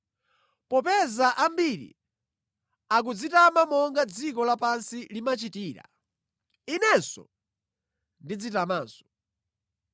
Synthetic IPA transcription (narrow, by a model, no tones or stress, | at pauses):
pɔp̬ɛzaʔambiɾḭ | ak̬ud͡zitamamɔŋɡad͡zikɔlapansilimat͡ʃitiːɾa̰ | inɛnsɔ̰ | ndid͡zitamaːnsɔ̥